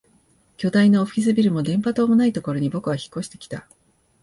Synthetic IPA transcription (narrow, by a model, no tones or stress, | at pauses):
kʲo̞d̪aino̞ːɸʲis̬ɨbʲiɾɯ̟mo̞d̪ẽ̞mpat̪o̞ːmonait̪o̞ko̞ɾo̞ɲ̟ibo̞kɯ̟βaçi̥kːo̞ɕi̥t̪e̞̥kʲi̥t̪a